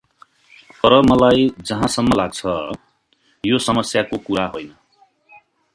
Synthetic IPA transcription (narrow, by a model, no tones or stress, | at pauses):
t̪ʌɾʌmʌlajd͡zʌɦãsʌmːʌlaɡt͡sʰʌ | josʌmʌsjakokuɾaɦojnʌ